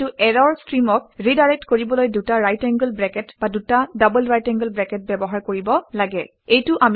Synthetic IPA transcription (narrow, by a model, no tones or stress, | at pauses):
tʊʔɛɹɔɹstɹimɔk̚ɹidaɹɛk̚tkoɹibɔlojdutaɹajtɛŋɡəlbɹɛkɛtbadutadabulɹajtɛŋɡəlbɹɛkɛt̚bɛbɔɦaɹkoɹibɔlaɡɛ | ejtʊʔam